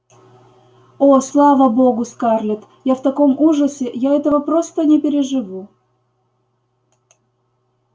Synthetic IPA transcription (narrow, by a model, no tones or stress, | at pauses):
oslˠɑvəboɡʊskɑrlʲɪt̪ | jaft̪ɐko̞muʐəsʲɪjaɛt̪əvəpɾost̪ənʲɪpʲɪɾʲɪʐɨvu